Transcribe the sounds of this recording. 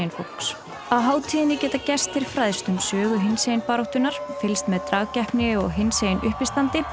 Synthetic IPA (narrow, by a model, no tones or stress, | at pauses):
jɪnfuks | aðɦaːwt̪ʰiːðɪnːɪcɛːt̪acɛst̪ɪɾɪ̥fɾaːðst̪ʏmsœːɣʏɦɪnsejɪnpaːɾowht̪ʏnːaɾ̥fɪlst̪mɛðt̪ɾaːɣcɛhpnɪɔɣɦɪnsejɪnʏhpɪst̪ant̪ɪ